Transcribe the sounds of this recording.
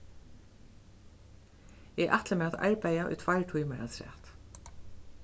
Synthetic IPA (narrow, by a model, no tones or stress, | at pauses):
ɛɣʔa̰t̪ləmɛaða̰ɹpæːjaʔʊ̰jt̪ʰv̥ajɹʈʰujmaɾa̰sɾɛ̰ːt̪